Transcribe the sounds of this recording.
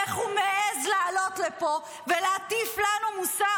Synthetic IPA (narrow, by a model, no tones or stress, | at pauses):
eχhumeʔezleːlo̞t̪lepo̞ | veleat̪iflanumusa